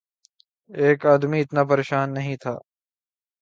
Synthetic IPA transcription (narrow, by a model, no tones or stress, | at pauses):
eːkaːd̪miːɪt̪naːpəɾeːʃaːnːəɦĩt̪ʰa̰ː